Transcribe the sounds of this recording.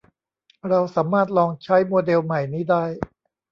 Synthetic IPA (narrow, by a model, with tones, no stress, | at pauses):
ɾa˧wsaː˩˦maː˥˩t̪̚lɔː˧ŋt͡ɕʰa˦˥jmoː˧de˧wma˨˩jniː˦˥˩daː˥˩j